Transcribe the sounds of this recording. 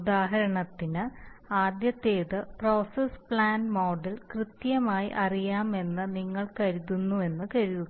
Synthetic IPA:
ud̪aːɦɐɾɐɳɐt̪ːinɨaːd̪jɐt̪eːðɨpro̞ːsespɭaːnmo̞ːɖɐlkrɨt̪jɐmaːjḭʔɐrijaːme̞nːɨniŋːɐɭkɐɾuðunːue̞nːɨkɐɾuðu

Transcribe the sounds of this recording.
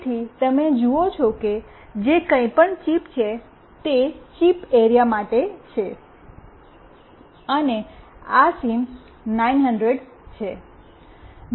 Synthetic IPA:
t̪ʰit̪əmed͡ʒuot͡ʃʰoke | d͡ʒekə̃ĩpəɳt͡ʃipt͡ʃʰe | t̪et͡ʃipeɾijamaʈet͡ʃʰe | əneasim | nainɦəɳɖɾeɖ | t͡ʃʰe

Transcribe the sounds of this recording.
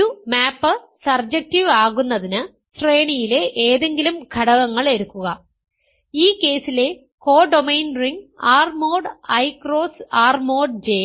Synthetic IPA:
umaːpːɨ | sɐrd͡ʑek̚tiʋaːɣunːɐðinɨ | sre̞ːɳijile̞ʔeːðe̞ŋɡilumɡʱɐɽɐɣɐŋːɐɭe̞ɾukːuɣɐ | iːkːe̞ːsile̞ | ko̞ːɖo̞mejnɖriŋɡaːrmo̞ːɖɐjkro̞ːsaːrmo̞ːɖd͡ʑeː

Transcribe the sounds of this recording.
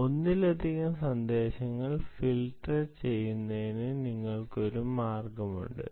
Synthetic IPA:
o̞nːilɐd̪ʱiɣɐmsɐnd̪eːɕɐŋːɐɭfilʈɐrt͡ɕe̞jːunːɐðinɨniŋːɐɭko̞ɾumaːrɡɐmṵɳɖɨ̰

